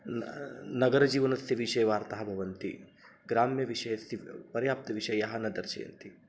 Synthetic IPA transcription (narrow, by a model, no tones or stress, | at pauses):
nɐɡɐɾɐd͡ʒiːʋɐnɐsjɐʋiʃɐjɐʋaːɾt̪ɐɦɐbʱɐʋɐnt̪ḭ | ɡɾaːmjɐʋiʃɐjɐsipɐɾjaːp̚t̪ɐʋiʃɐjjɐɦɐnɐd̪ɐɾt͡ʃɐ̰jɐ̰nt̪i